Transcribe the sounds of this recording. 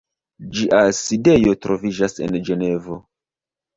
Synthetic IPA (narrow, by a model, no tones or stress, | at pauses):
d͡ʒiʔasidejo̞tɾo̞vid͡ʒase̞̰nd͡ʒe̞ne̞vo̞